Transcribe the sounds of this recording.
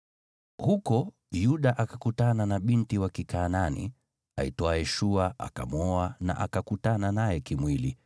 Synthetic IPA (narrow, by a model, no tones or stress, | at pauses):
hukɔ | juɗaʔakakutananaɓintiwakikaːnanḭ | a̰itɔajɛʃuaa̰ka̰mɔana̰ʔakakutananajɛkimwili